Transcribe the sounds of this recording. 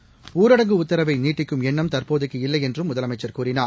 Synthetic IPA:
uːɾɐɽɐŋɡɯʊt̪ːɐɾɐʋɐɪniːʈːɪkːɯmɛɳːɐmt̪ɐɾpoːðɯkːɯɪlːɐɪɛndrɯmːʊðɐlɐmɐɪt͡ʃːɐɾkuːrɪnaː

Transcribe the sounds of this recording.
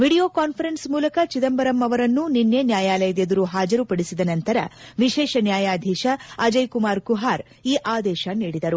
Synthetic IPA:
ʋiːɽijo̞ːkaːnpʰɐɾensmuːlɐkɐt͡ʃid̪ɐmbɐɾɐmːɐʋɐɾɐnːuninːjenjaːjaːlɐjɐd̪ed̪ɐɾuɦaːd͡ʒɐɾupɐɽisid̪ɐnɐnt̪ɐɾɐ̰ʋiʃɛːʃɐnjaːjaːd̪ʱɛːʃɐɐd͡ʒɐjkumaːɾkuɦaːɾ | iːʔaːd̪ɛːʃɐniːɽid̪ɐɾu

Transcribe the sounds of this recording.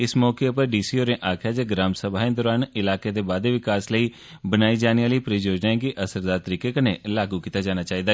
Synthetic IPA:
ɪsmɔːkepəɾɖiːsiːoːɾẽːʔaːkʰjaːd͡ʒeːɡɾaːmsəbʱaːɦẽd̪ɔːɾaːnɪlaːkeːd̪eːbaːd̪eːʋɪkaːsləiː | bənaːiːd͡ʒaːniaːliːpɾiːd͡ʒoːd͡ʒnaːẽkiʔəsəɾd̪aːɾt̪əɾiːkekənelaːɡukiːt̪aːd͡ʒaːnaːt͡ʃaːɦiːd̪aː

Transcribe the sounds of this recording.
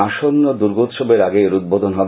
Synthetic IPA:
aʃonːod̪uɾɡot̪ʃobeɾaɡeɾud̪̚bod̪ʱonɦɔb

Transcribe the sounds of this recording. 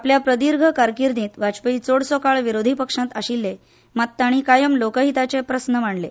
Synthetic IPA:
apljapɾəd̪iɾɡʱəkaɾkiɾniːt̪ʋat͡spəit͡soɽsɔkaɭʋiɾod̪ʱipəkʂãt̪aɕilːe | mat̪ːaɽ̃ikajəmlokəɦit̪at͡sepɾəsnəm̤aɳle

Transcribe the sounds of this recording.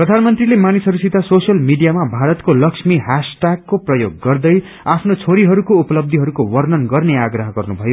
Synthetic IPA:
prʌd̪ʱanmʌnt̪rilemanisʌɾusit̪asosjʌlmiɖijamabʱaɾʌt̪kolʌksmiɦasʈaɡːoprʌjoɡːʌrd̪ʌj | apʰnot͡sʰoɾiɦʌɾukoupʌlʌb̚d̪ʱiɦʌɾukowʌrnʌnɡʌrneaɡrʌɦʌɡʌrnubʱʌjo

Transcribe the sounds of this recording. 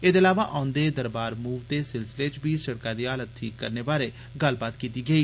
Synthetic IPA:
ɪd̪əlaːʋaːʔãːʊ̃nd̪eːd̪əɾbaːɾmuːʋt̪eːsɪlsɪleːt͡ʃbiːsəɽkaːɾiːaːlət̪̚t̪ʰiːkːəɾneːbaːɾeː | ɡəlbaːt̪kiːt̪iːɡəiː

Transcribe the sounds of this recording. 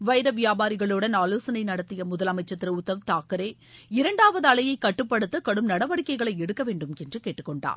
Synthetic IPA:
ʋɐɪɾɐʋɪjaːbaːɾɪɣɐɭoːɽɐnaːloːsɐnɐɪnɐɽɐt̪ːɪjɐmʊðɐlɐmɐɪt͡ʃːɐt̪ːɪɾɐʊt̪ːɐʋt̪aːkɐɾeː | ɪɾɐɳɖaːʋɐðɯɐɭɐjɐɪkːɐʈːɯpːɐɽɯt̪ːɯkɐɽɯmnɐɽɐʋɐɽɪkːɐɪɣɐɭɐɪɛɽɯkːɐʋeːɳɖɯmɛndrɯkeːʈːɯkːɔɳɖa̰ːɾ

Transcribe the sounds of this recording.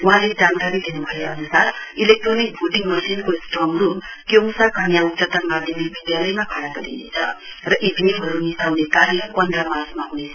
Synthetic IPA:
ʋɦãled͡zankaɾid̪ʱenubʱaeənusaɾilek̚ʈɾonik̚bʱuʈiŋɡməsinkosʈɾɔmɾum | komsakʰanjautt͡ʃət̪əɾmad̪ʱjemibid̪jaləjmakʰaɽakəɾḭjḭt͡sʰə̰ | ɾʌʔib̪ʱnibʱəɾunːisawnekaɾipənd̪ɾamaɾsmaɦunes

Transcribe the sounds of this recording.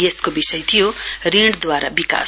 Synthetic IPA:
jeskobisʌjt̪ʰijoriɽd̪waɾabika̰

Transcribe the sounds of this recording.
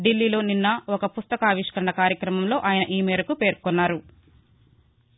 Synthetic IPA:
ɖilːiːlo̞ːninːɐɔkɐpust̪ɐkaːʋiʂkɐɾɐɳɐkaːɾjɐkɾɐmɐmlo̞ːʔaːjɐnɐʔiːmɛːɾɐkupe̞ːɾkɔnːaːɾu

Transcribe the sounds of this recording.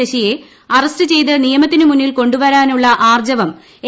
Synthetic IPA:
ɐɕije̞ | ɐrɐst̪ɨt͡ɕe̞jt̪̬ɨnijɐmɐt̪ːinɨmunːilko̞ɳɖuʋɐɾaːnuɭːɐʔaːrd͡ʑɐʋɐm | e

